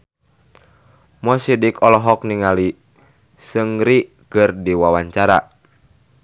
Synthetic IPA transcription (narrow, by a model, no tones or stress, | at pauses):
mɔsidikɔlɔɦɔk̚niŋali | səŋɾi | kɨrdiwawaɲt͡ʃaɾa̰